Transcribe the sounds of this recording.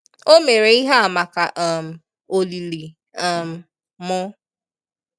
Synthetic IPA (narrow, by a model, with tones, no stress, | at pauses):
o˦me˨ɾe˨i˦ɦa˦a˨ma˨ka˨ʔɛ˦˨m̩˨ | o˨li˨li˨ | ɛ˦˨m̩˨ | mʊ˦